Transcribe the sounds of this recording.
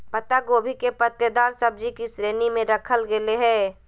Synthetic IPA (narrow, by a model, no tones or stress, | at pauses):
pət̪aɡoːbʱikepət̪jəd̪aːɾsəb̚d͡ʒikisɾeːnimẽɾəkʰəlɡeleɦɛ̃ː